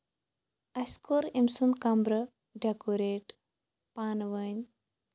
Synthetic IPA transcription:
ɐskoɾimsunkɐmbɾə | ɖɐkoɾeːʈ | paːnʋəɲʲ

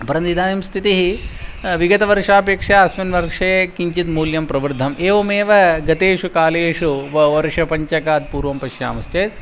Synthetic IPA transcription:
pɐɾɐnd̪id̪ʱaːnimst̪ʰit̪iɦiʋiɡɐt̪ɐʋɐɾʂaːpeːkʂɐɐsmɐnʋɐɾkʂɐjkiɲt͡ʃit̪muːljɐmpɾɐʋɐɾd̪ʱɐmʔeːʋɐmeːʋɐɡɐt̪eːʂukaːleːʂuʋɐʋɐɾʂɐpɐɲt͡ʃɐkaːt̪̚puːɾʋɐmpɐʃja̰ːmɐst̪ʰeːt̪̚

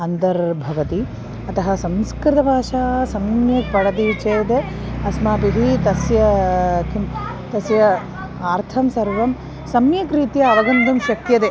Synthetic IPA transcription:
ɐnd̪ɐɾbʱɐʋɐt̪i | ɐt̪ɐɦɐsɐ̃mskɾɪt̪ɐbʱaːʃaːsɐmjɐk̚pɐɽɐd̪iːt͡ʃejt̪e | ɐsmaːpid̪ʱit̪ɐsjɐkim | t̪ɐsjɐ | aːɾt̪ʰɐmsɐɾʋɐm | sɐmjɐkɾiːt̪jɐːʋɐɡɐnd̪umʃɐk̚t̪jɐt̪e

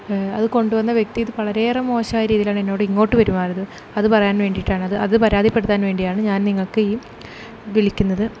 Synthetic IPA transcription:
ɐðɨko̞ɳɖuʋɐnːɐʋje̞k̚t̪ijɐðɨpɐɭɐɾe̞ːrɐmo̞ːɕɐaːjɐɾiːðilaːɳe̞nːo̞ːɽɨiŋːo̞ːʈːɨʋɐɾumaːrɐðɨ | ɐðɨpɐrɐjaːnʋe̞ːɳɖiʈːaːɳɨɐðɨʔɐðɨpɐɾaːd̪ʱipːe̞ɽut̪ːaːnʋe̞ːɳɖijaːɳɨɲaːnniŋːɐɭkɨiː | ʋiɭikʲːunːɐðɨ

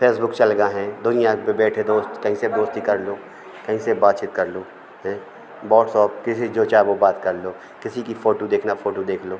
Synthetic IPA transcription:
pʰeːsbʊkt͡ʃɐlɡaɦɛ̃ːd̪ʊnijãpebɛːʈʰed̪oːst̪kɐɦĩsed̪oːst̪ɦikɐɾloː | kɐɦĩsebaːt̪̚t͡ʃit̪kɐɾloː | ɦɛ̃ː | bɔːʈsɔːp̚kɪsid͡ʒoːt͡ʃaʋobaːt̪kɐɾloː | kɪsikifoːʈod̪eːkʰnafoːʈod̪eːkʰloː

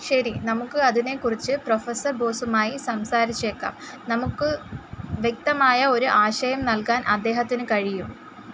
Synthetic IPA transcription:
ɕɐɾinɐmukːɨɐðine̞kːurit͡ɕːɨpro̞fɐsɐrbo̞ːsumaːjisɐmsaːɾit͡ɕːe̞ːkːa̰ːm | nɐmukːɨʋjek̚t̪ɐmaːjɐo̞ɾuʔaːɕɐjɐmnɐlkaːnʔɐd̪ːe̞ːɦɐt̪ːinɨkɐɻijum

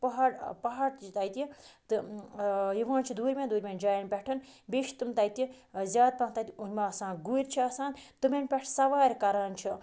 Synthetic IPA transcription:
pɐɦɐɽpɐɦɐɾt̪t͡ʃʰit̪ɐjt̪it̪ɨ | jiʋãːnt͡ʃʰid̪uːɾʲmʲẽnd̪uːɾʲmʲend͡ʒaːjinpʲɛʈʰɨnbeːʃt̪umt̪ɐjt̪i | zʲjaːd̪̚pɐnt̪ɐt̪ʲiunʲmaɐsãːnɡuɾʲt͡ʃʰiɐsãːnt̪ɨmʲenʲpʲɛʈʰsɐʋaːɾʲkɐɾaːnt͡ʃʰi

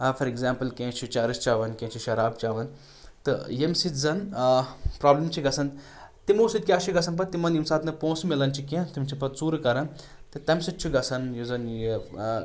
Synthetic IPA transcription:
fɐɾeɡzaːmpɐlkʲẽːt͡ʃʰut͡ʃaːɾist͡ʃaːʋɐnkʲẽːt͡ʃʰiʃɐɾaːb̚t͡ʃaːʋɐn | t̪ɨjemsit̪zɐn | pɾaːblɐmt͡ʃʰiɡɐsɐn | t̪imoːsid̪̚kʲaːʃiɡɐsɐnp̬ɐt̪ːimɐnjimsaːt̪nɐpõːsmilɐnt͡ʃʰikʲẽt̪imt͡ʃʰipɐt̪t͡suːɾkɐɾɐn | t̪ɨt̪ɐmsit͡ʃʰiɡɐsɐnjuzɐnji

